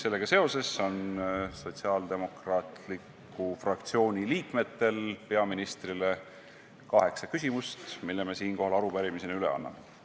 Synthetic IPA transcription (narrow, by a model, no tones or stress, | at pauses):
se̞lːe̞ɡɑse̞o̞se̞sːo̞nso̞t̪siɑld̪̥e̞mo̞krɑːt̪likːˑ | ufrɑkt̪sio̞ːnʲiliːkme̞t̪ːe̞lpe̞ɑminist̪rile̞ | kɑɦe̞ksɑkysʲimust̪milːeme̞siːnko̞ɦɑlɑɾupæɾimisenyle̞̰ɑ̰nːɑ̰me